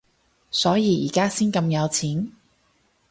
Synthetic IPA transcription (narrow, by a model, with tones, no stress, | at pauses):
sɔː˨˥jiː˧jiː˨˩kaː˥siː˥nkɐ˧mjɐ˨˧wt͡sʰiː˨˥n